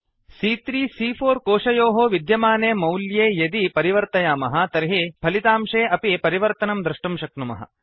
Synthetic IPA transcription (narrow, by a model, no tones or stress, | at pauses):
siːt̪ɾiːsiːpʰoːɾkoːʂɐjoːɦoːʋid̪jɐmaːneːmɐwljeːjɐd̪ipɐɾiʋɐɾt̪ɐjaːmɐɦɐ̆t̪ɐɾɦipʰɐlit̪aːmʂeːʔɐpipɐɾiʋɐɾt̪ɐnɐmd̪ɾɐʂʈɐmʃɐknumɐ̰ɦɐ̰